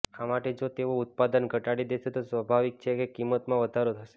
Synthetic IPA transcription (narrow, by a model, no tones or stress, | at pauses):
amaʈed͡ʒot̪eout̪̚pad̪ənɡʱəʈaɽid̪eʃet̪osʋəbʱaʋik̚t͡ʃʰekekimːət̪mãʋəd̪ʱaɾot̪ʰəʃe̥